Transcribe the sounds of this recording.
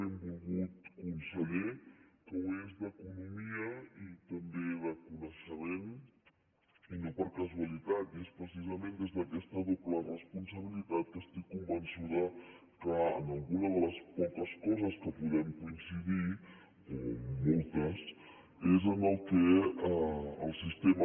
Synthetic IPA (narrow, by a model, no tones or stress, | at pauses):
ɛmbulɣut̪kunsəlekowezðəkunumiəit̪əmbeðəkunəʃəmen | inopəɾkəzuəlit̪at̪espɾəs̬izəmẽnd̪ezðəkɛst̪əðoplərəspunsəβ̞ilit̪at̪̚kəst̪ikːumbənsuðə | kəə̰nəlˠɣunəð̞ələspɔkəskɔzəskəpuðɾɛmkuinsiði | omolˠt̪əs | ezənəlˠke | əlˠsist̪em